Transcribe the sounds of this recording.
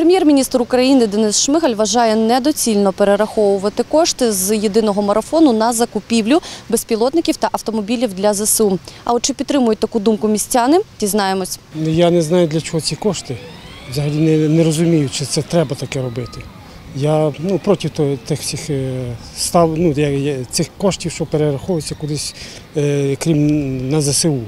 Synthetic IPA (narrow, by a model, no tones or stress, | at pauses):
pɾemʲjɛrmʲinʲist̪rʊkɾɐjinɪd̪ɛnɪsʃmɪxɐlʲʋɐʒɑjɛnɛd̪ɔt͡sʲilʲnɔpeɾeɾɐxɔʋʊʋɐt̪ɪkɔʃt̪ɪzjed̪ɪnɔɦɔmɐɾɐfɔnʊnɐzɐkʊpʲiwlʲʊbespʲilˠɔt̪nɪkʲiwt̪ɐʔɐwt̪ɔmɔbʲilʲiwd̪lʲɐzesuɐɔt̪t͡ʃɪpʲit̪t̪ɾɪmʊjʊt̚ʲt̪ɐkud̪umkʊmʲisʲt͡sʲɑnɪtʲiznɑjemɔsʲnʊjanɛznɑjʊd̪lʲɐt͡ʃɔɦɔt͡sʲikɔʃt̪ɪʋzɐɦɐlʲinɛnɛɾɔzʊmʲijʊt͡ʃɪt̪sɛt̪ɾɛbɐt̪ɐkɛɾɔbɪt̪ɪ | janupɾɔtʲiwt̪ɔt̪ɪxsʲix | st̪ɑwnujɐjt̪sɪxkɔʃtʲiwʃt͡ʃɔpeɾeɾɐxɔʋjɪt͡sʲːɐkʊd̪ˠɪsʲ | kɾʲimnɐzɐsɪu